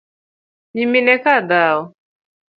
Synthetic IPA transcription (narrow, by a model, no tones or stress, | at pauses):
ɲiminɛkadaʊ